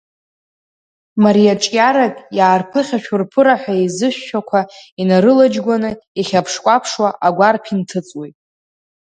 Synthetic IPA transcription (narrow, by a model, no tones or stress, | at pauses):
maɾijaʈ͡ʂʼjaɾakʼjaːrpʰɨχʲaʃᶣʊrpʰɨɾaħʷᶣaizɨʃᶣːakʷʰainaɾɨlad͡ʒɡʷanɨiχʲapʰʂkʷʼapʰʂwaʔaɡʷarpʰintʰɨt͡sʼwijtʼ